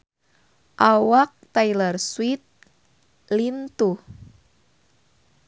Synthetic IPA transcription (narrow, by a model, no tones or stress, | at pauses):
ʔawak̚t̪ajlərswit̪̚ | lint̪u